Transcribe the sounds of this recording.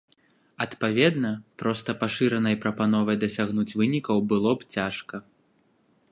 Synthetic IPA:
ɐt̪pavʲɛd̪nɐpɾɔst̪ɐpaʂɨɾɐnɐjpɾɐpanɔvɐjd̪ɐsʲaɣnut͡sʲvɨnʲikɐwbɨlˠɔpt͡sʲaʂkɐ

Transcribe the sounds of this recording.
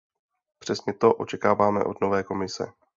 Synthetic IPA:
pr̝̥ɛsɲɛt̪o̞ʔo̞̰t͡ʃɛkaːvaːmɛ̰ʔo̞dno̞vɛːko̞mɪsɛ̰

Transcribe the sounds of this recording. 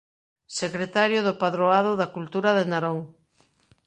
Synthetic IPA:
sekɾet̪aɾjʊðʊpaðɾoaðʊðakult̪uɾaðenaɾoŋ

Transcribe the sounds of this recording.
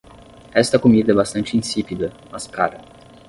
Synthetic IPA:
ɛst̪ɐkomid̪ɐɛbast̪ɐ̃nt͡ʃɪĩsipid̪ɐ | mɐskaɾɐ

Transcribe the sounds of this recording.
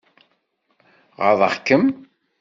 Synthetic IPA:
ʁə̰ðˤə̰χkːəm

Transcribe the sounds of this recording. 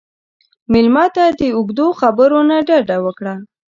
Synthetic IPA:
mɪlmɑt̪ad̪əʊɡd̪oxabəɾonaɖaɖawəkɽa

